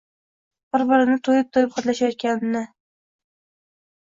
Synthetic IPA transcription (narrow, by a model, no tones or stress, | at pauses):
bʊɾbɪɾɪnɪt̪ʰojɪp̚t̪ʰojɪp̚qʰɑt̪laʃajɒt̪̚kʲanɪnːɪ